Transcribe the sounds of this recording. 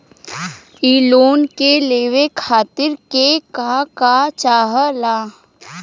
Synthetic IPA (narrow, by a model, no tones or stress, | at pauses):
iːloːnkeleːʋekʰaːt̪ɪɾkekakat͡ʃaːɦəlaː